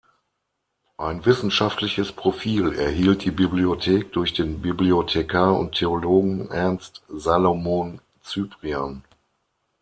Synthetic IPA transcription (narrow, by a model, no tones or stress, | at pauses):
ʔaɪnvɪsn̩ʃaftlɪçəspʁ̥ofiːlɛ̰ɐɦiːlt̚d̥iːbibliotʰeːk̚d̥ʊɐçd̥eːnbibliotʰekʰaːʊ̰nttʰeoloːɡŋ̩ʔɛɐnstzaːlomon | t͡syːpʁian